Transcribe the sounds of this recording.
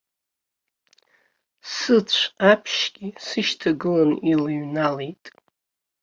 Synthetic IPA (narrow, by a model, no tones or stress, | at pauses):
sɨt͡ɕʷʰapʰʃɡ̥ʲisɨʃtʰaɡɨlanilaɥnalejtʼ